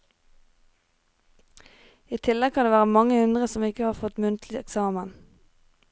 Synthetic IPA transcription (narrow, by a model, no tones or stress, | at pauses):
iːt̪ʰɪlɛɡkʰɑnd̪eːʋæːʁəmɑŋəhʉnd̪ʁəsɔmɪkəhɑːʁfɔt̪mʉnt̪ʰlɪɛksɑːmən